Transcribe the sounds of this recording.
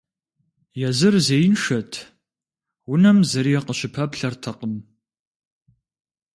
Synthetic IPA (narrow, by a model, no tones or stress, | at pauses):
jɛzɨrzejnʂɐtʰ | wʊnɐmzɐɾiɛqəɕɪpʰɐpɬɐrtʰɐqəm